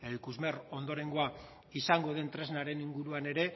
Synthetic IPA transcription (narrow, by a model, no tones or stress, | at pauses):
eɾikuzme̞ro̞nd̪o̞ɾe̞ŋɡo̞a | isaŋɡo̞ðe̞nt̪ɾe̞znaɾe̞niŋɡuɾuane̞ɾe̞